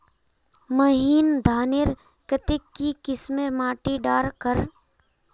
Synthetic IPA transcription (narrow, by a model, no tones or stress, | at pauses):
məɦiːnd̪ʱaːneɾ | kət̪ɪkːikɪsmeɾmaːʈiɖaːɾkəɾ